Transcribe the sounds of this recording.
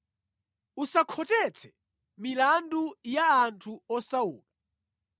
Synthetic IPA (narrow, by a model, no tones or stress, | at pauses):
usakʰɔtɛt͡sʰɛ̥ | milandujaːntʰuɔsaṵːla